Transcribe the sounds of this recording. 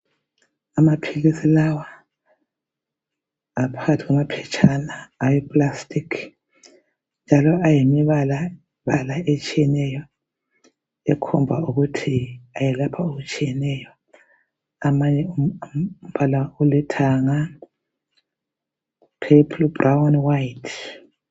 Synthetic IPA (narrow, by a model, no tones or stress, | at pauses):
amapʰilisilawa | pʰaɣatʰiɣwamapʰɛt͡ʃʰʼanaːjɛpʼlastʼikʰ | nd͡ʒʱalɔajimiβala | βalaʔet͡ʃʼijɛnɛjɔ | ɛkʰɔ̰mbʱauɣutʰiajɛlapʰaoɣut͡ʃʼijɛnɛjɔ | amaɲɛum̩palaulɛtʰaŋa | pʰepʰlbrʔawnwajitʰ